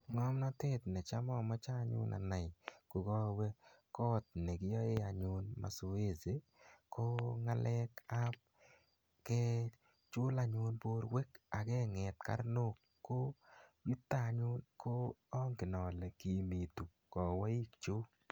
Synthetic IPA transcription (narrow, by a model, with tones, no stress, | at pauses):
ŋɔ˦mna˦te˦t̪nɛ˨t͡ʃa˦mɔ˦˨mɔ˦t͡ʃa˦ɲʊ̰˦nʔa̰˨na˨ɪ˨ko˨ɡɔ˦wɛ˦kɔ˦t̪̚ne˨ɡɪ˦jɔ˦e˦a˨ɲʊ˨nma̰˨so˨e˦ze˨ | ko˦ŋa˦lʔɛ˦ka˦p̚ | kɛ˦ | t͡ʃʊ˦la˨ɲʊ˨˦nbo˦ɾwe˦ka˨ɡɛ˦ŋɛ˨t̪ka̰˦ɾno˦kːo˦ju˦t̪ːa˦˨˦ɲʊ˦nkʰo˦ɔ˦ŋɡɪ˨nɔ˨lɛ˨ki˨mi˨tu˨ | kɔ˨wa˦i˦kt͡ʃo˦